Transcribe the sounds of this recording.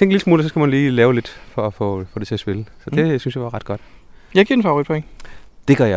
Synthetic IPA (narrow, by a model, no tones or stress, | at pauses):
t͡sʰeŋɡ̥liləsmuːlsɒ̽sɡ̥æmænliːlɛːʊle̝d̥fɒ̽æfɔfɔ̽ːde̝t͡sʰe̝ɒsb̥e̝ləsɒ̽d̥e̝synsjɑ̈ʋɑ̈ʁɑ̈d̥̚ɡ̥ɒ̽d̥jɑ̈ɪɡiɐenfɑ̈ʊʁid̚pʰoeŋd̥e̝ɡ̥ɶɐjɑ